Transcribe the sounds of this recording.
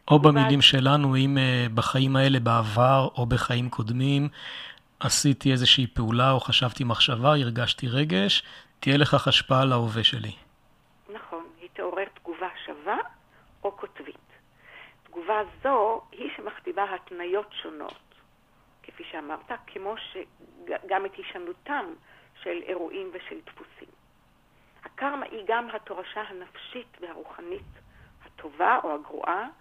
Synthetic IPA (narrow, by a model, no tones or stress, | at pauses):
ʔo̞bamilimʃe̞lanuimebaχaimae̞le̞baavaʁo̞be̞χaimkʰo̞dmim | ʔasit̪ie̞zeʃiːpeulaoχaʃavt̪imaχʃavaiʁɡaʃtiʁe̞ɡe̞ʃtijele̞χaχaʃpaalaoveʃe̞lḭ | naχo̞nhit̪eoʁeʁt̪ɡuvaʃava | okotvit | tɡuvazo̞hiʃe̞maχtivaɦatnajo̞tʃo̞no̰t | kefiʃeamaʁtakʰemo̞ʃeɡamethiʃanutamʃelḛʁuʔimveʃeltfusḭm | hakaʁma̰ʔiɡamɦato̞ʁaʃaɦanafʃitvehaʁuχanithatʰo̞vaʔo̞haɡʁṵʔa